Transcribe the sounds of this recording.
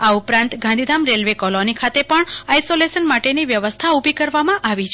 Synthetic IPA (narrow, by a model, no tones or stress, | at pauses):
aupɾãnt̪ɡʱãnd̪id̪ʱamɾelʋekɔlonikʰat̪epəɳajsoleʃənmaʈeniʋjəʋəst̪ʰaubʱikəɾʋamãʔaʋit͡ʃʰ